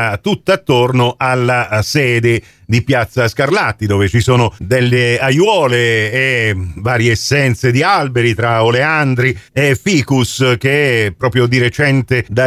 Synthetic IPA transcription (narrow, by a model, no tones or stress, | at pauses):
at̪ut̪ːaat̪ːornoʔalːasɛːd̪e | d̪ipjat̪sːaskarlat̪ːid̪oːvet͡ʃisoːnod̪elːeajwɔːleː | vaːɾjeːsːɛnt̪sed̪ialbeɾit̪ɾaoleand̪ɾiefiːkusk̟eɛpːɾɔːpɾjod̪iɾet͡ʃɛnt̪ed̪a